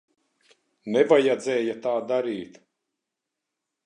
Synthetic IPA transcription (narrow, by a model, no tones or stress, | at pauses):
nɛvajad̪zɛːjat̪aːd̪aɾiːt̪